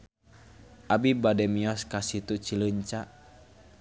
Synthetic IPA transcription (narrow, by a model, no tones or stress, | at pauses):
ʔabibadɛmiɔskasit̪ut͡ʃiləɲt͡ʃaʔ